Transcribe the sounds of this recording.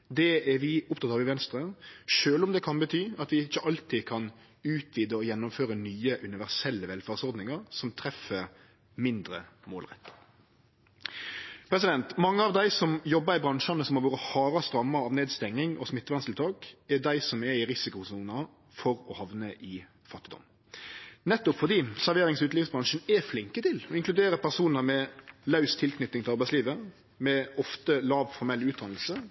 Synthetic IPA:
d̪ɛɛɾʋɪʊpt̪ʰɑt̪ɑːʋɪʋɛnst̪ɾəʂøːlɔmd̪ɛkʰɑnbət̪ʰyːɑt̪ʋɪɪt͡ʃːəʔɑlt̪iːkʰɑn | ʉːt̪ʋiːd̪əɔjɛnːʊmføːɾənyːəʔʉnɪʋæʁsɛlːəʋɛlfæːʁsɔɾd̪nɪŋɑɾsɔmt̪ʰɾɛfə | mɪnd̪ɾəmo̰ːlʁɛ̰t̪ːə̥ | pʰɾɛsɪd̪ɛnt̪mɑŋːəɑʋd̪æɪsɔmjɔbːəɾɪbɾɑŋʂɑnəsɔmhɑɾʋoːɾəhɑːɾɑst̪ɾɑmːəɾɑːʋneːd̪st̪ɛŋːɪŋʔɔsmɪt̪ːəʋɑnslt̪ʰɑːkɛd̪æɪsɔmɛɪɾɪsɪkʊsuːnɑ | fɔɾɔhɑʋnəʔɪ | fɑt̪ːɪd̪ɔ̰m | nɛt̪ːʊpfɔʁd̪iːsæɾʋeːɾɪŋsʉːt̪lɪːʋsbʁɑŋʂənɛflɪŋkət̪ʰɪlɔɪŋklʉd̪eːɾəpʰæʁsuːnəmɛlɑʉst̪ʰɪlkʰnʏt̪ːɪŋt̪ɪɑɾbæɪsliːʋə | mɛɔft̪əlɑːʋfɔɾmɛlːʉːt̪d̪ɑnl̩sə

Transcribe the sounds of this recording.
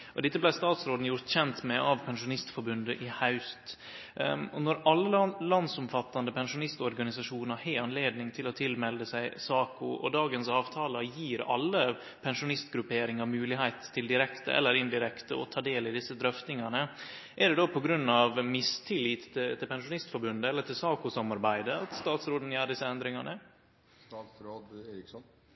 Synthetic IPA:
ʔɔd̪ɛt̪ːəblæɪst̪ɑːt̪sɾoːd̪n̩jʊɾt̪çɛnt̪mɛʔɑʋpʰɛnʂʊnɪst̪fɔɾbʉnd̪əʔɪhɑʉst̪ | ɔnɔɾɑlːəlɑnsɔmfɑt̪ːɑnd̪əpʰɛnʂʊnɪst̪ɔɾɡɑnɪs̬ɑʂuːnəɾheɑnleːd̪nɪŋt̪ʰɪlɔt̪ʰɪlmɛld̪əsæɪsɑːkʊʔɔ̰d̪ɑːɡənsɑːʋt̪ʰɑːləjiːɾɑ̰lːə | pʰɛnʂʊnɪst̪ɡɾʉpeːɾɪŋɑmʉːlɪɦæɪt̪ʰːɪld̪ɪɾɛkt̪ə̰ʔɛ̰lːəɾɪnd̪ɪɾɛkt̪ə̰ɔ̰t̪ʰɑːd̪eːlɪd̪ɪsːəd̪ɾœft̪nɪŋɑnə | ʔæɖɛd̪opʰɔɡɾʉnːɑʋmɪst̪ʰɪliːt̪ɪt̪ʰɪlpɛnʂʊnɪst̪fɔɾbʉnd̪əɛlːəʈ̪ʰɪlsɑːkʊsɑmːɑɾbæɪd̪əɑt̪st̪ɑːt̪sɾoːd̪n̩jæːɖɪsːəɛnd̪ɾɪŋɑnə | ɾ

